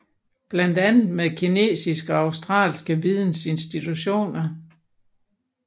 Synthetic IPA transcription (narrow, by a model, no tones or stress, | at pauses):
b̥lænd̥ænð̩ˠmeðˠkʰine̝̰ːsisɡ̥əɒɑ̈ʊsd̥ʁɑ̰̈ːlsɡ̥əʋið̞ˠn̩se̝nsd̥it͡sʰuɕo̝̰ːnɐ